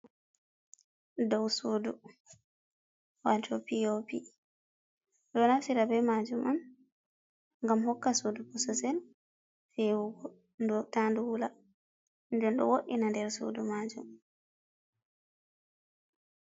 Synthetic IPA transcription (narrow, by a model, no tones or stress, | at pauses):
dɔwsoːdu | watʰɔpiopi | ɗɔnafsiɾabɛmad͡ʒuman | ŋɡamhɔkːasodupɔsɔsɛl | fɛwuɡɔ | ndɔtanduwula | ndɛnɗɔ̰woɗinandɛɾso̰dumad͡ʒṵm